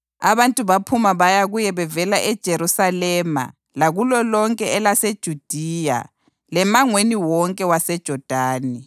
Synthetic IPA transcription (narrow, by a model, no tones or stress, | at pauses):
aβantʼuβapʰumaβajaɣujɛβɛvɛlaʔɛd̥ʒ̥ʱeɾusalɛːma̰ | laɣulɔlɔŋkʼɛɛlased̥ʒ̥ʱud̥ʱiːja̰ | lɛmaŋweniwɔŋkʼɛwasɛd̥ʒ̥ʱɔd̥ʱaːnɛ